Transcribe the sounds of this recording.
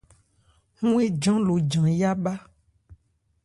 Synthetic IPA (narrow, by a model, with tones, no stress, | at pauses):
ŋũ˦e˦d͡ʒɔ̃˦lo˨d͡ʒã˨ja˦ba˦